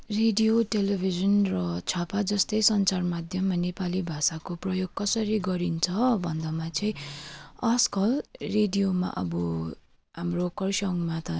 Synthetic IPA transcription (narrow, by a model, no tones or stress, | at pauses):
reɖijoʈelebʱizʌnrʌt͡sʰapad͡zʌst̪ʌjsʌnt͡sarmad̪ʱjʌmːanepalibʱasakoprʌjoɡ̚kʌsʌɾiɡʌɾint͡sʰʌbʱʌnd̪ʌmat͡sʌĩʌskʌlreɖijoma̰ʔʌ̰bʌ | ɦamrokʌrsʌŋmat̪ʌ